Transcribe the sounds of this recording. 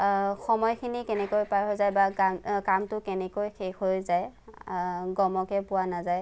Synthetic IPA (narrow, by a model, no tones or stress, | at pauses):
xɔmɔjkʰinikɛnɛkojpajɦojzajbakamkamtʊkɛnɛkojxexɦojzaj | ɡɔmɔkɛpʊwanazaj